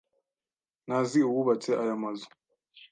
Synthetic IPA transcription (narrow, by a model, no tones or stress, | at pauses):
naziuwuβat͡seʔajamazu̥